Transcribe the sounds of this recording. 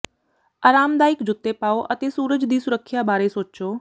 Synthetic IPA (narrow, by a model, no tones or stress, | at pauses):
aːɾaːmd̪aːikd͡ʒʊt̪ːepaːoʔət̪esuːɾəd͡ʒd̪iːsʊɾəkʰːjabaːɾesoːt͡ʃt͡ʃoː